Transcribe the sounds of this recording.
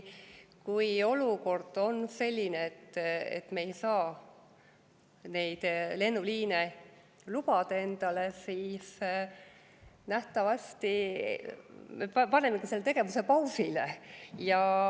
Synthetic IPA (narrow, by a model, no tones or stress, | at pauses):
kujo̞luko̞rd̪̥o̞nse̞lʲːineet̪ːḛt̪ːˑmeejsɑː | ne̞jd̪̥le̞nːuliːne | lub̥ɑd̪̥ɑe̞nd̪̥ɑle̞siːs | næht̪ɑvɑst̪i | meppɑne̞mːekise̞lːet̪e̞ɡ̥e̞vuse̞pɑwsilejɑ